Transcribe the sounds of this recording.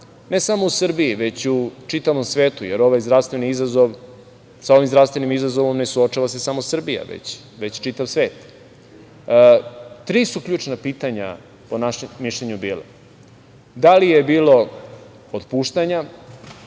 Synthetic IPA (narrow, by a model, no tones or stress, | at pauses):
ne̞samousr̩bijiʋe̞t͡ɕut͡ʃit̪aʋo̞msʋeːt̪ujeɾo̞ʋajzd̪ɾavst̪ʋeniizazoʋ | sao̞ʋimzɾavst̪ʋe̞nimizazoʋo̞mne̞suot͡ʃaʋase̞samosr̩bija̰ʋḛt͡ɕ | ʋet͡ɕt͡ʃit̪aʋsʋe̞ːt̪ | t̪ɾiːsukʎuːt͡ʂnapiːt̪aɲa̰ | po̞naʃemːiʃlʎeɲubiːla̰ | d̪alijebiːlo̞ | ot̪puːʃt̪aɲa